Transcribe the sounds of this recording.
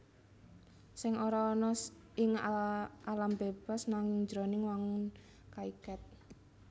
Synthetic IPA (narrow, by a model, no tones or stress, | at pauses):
sɪŋoɾɔːnɔs | ɪŋ | alambeb̥a̤snaŋɪŋd͡ʒɾonɪŋwaŋʊn | kaikat̪̚